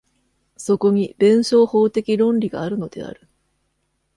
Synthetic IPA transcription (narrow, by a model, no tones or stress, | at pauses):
so̞ko̞ɲ̟ibẽ̞ɰ̃ɕo̞ːho̞ːt̪e̞kʲiɾõ̞nɾʲiɡa̰aːɾɯ̟no̞d̪e̞̰a̰ɾɯ̟̥